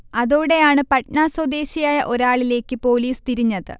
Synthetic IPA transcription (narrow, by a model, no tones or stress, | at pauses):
ɐðoːɽe̞jaːɳɨpɐʈnaːswɐd̪e̞ːɕijaːjɐʔo̞ɾaːɭile̞ːkːɨpo̞ːliːst̪iɾiɲːɐðɨ̰